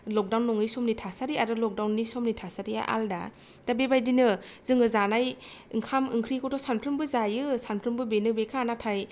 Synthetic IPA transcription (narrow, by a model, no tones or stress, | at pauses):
lɔk̚dawnːɔŋɯjsɔmnitʰasaɾiaɾɯlɔk̚dawnːisɔmnitʰasaɾija̰ʔa̰lda̰ | d̥abebajdinɯ | zɯŋɯzanaj | ɯŋkʰamɯ̰ŋkʰɾikʰɔtʰɔsanpʰɾɯmbɯzajɯsanpʰɾɯmbɯbenɯbekʰanatʰaj